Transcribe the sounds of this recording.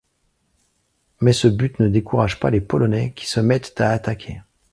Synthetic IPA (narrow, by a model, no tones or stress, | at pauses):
mɛsəbyt̪nəd̪ekuʁaʒpalepɔlɔnɛkʲi̥səmɛt̪ːaːt̪akʲʰe